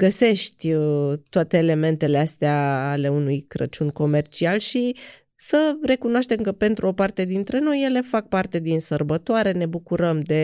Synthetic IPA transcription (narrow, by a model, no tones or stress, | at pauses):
ɡəse̞ʃt̪ʲt̪oat̪e̞ːle̞me̞nt̪e̞least̪eaːle̞unujkɾə̰t͡ʃunko̞me̞rt͡ʃialʃi | səre̞kunoaʃt̪e̞mkəpe̞nt̪ɾuo̞part̪e̞d̪int̪ɾe̞no̞jːe̞le̞fak̚part̪e̞d̪insərbət̪oaɾe̞ne̞bukuɾəmd̪e̞